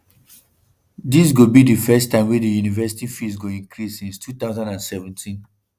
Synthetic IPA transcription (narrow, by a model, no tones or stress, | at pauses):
dis̬ɡobidifɛstãɪ̃mwedəjunivɛsitifis̬ɡoĩŋkʰɾissĩnstʰutaʊzãndãnsɛvɛ̃ntʰĩn